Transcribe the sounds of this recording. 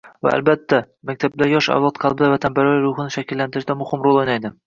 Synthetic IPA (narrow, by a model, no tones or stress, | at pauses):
va̰a̰lbat̪ʰːa | mak̚ʲt̪ʰablaɾjɒʃa̰vlˠɒt̪̚qʰɑlˠbɪd̪avat̪ʰanbaɾajɾʊhɨnɪʃakʲɪlːant̪ɪɾɪʃd̪amʊhɪmɾolˠojnajd̪ɪ